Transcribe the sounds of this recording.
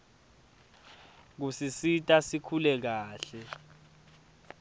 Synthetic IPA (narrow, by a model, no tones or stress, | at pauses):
k̬usisitʼasikʰulɛk̬aːɬɛ